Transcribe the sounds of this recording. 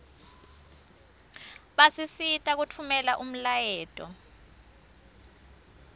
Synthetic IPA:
ɓasisitʼak̬utʰumɛlaʔum̩lajɛːtʼɔ̰

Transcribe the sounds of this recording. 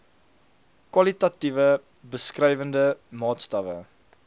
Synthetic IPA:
kwɐlitɐtivə | bəskrɛjvəndəmɑːtstɐvə̰

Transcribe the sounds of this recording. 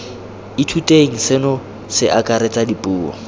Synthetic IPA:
ɪtʰutʼeŋ̩sɪnɔ | sɪʔakʼaɾɪt͡sʼadipʼuːɔ̰

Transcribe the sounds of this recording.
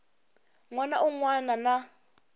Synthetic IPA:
ŋwanaʔuŋwanana

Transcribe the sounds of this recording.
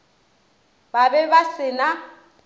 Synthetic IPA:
babɛbasɪna

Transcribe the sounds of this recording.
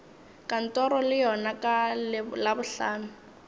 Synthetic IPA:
kan̩tɔɾɔlɪjɔnakʼallabʊɬaːnʊ

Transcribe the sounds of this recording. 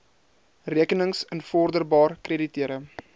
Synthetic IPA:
riəkənəŋsənfɔrdərbɑːrkreditiəɾə

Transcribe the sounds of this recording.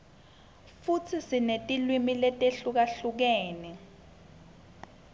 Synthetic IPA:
fut͡sʰisinetʼilwimilɛtʼeɬuk̬aɬuk̬eːni

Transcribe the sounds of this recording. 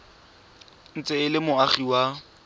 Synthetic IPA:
n̩t͡sʼeɪlɪmʊaχiwa

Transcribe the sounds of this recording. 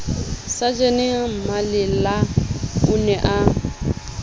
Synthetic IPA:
sad͡ʒenɪm̩malɪlaʊnɛʔa

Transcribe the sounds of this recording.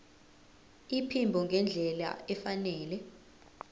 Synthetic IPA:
ipʰimbʱɔŋɡʱɛnd͡ɮʱɛla̰ɛfanɛːlɛ

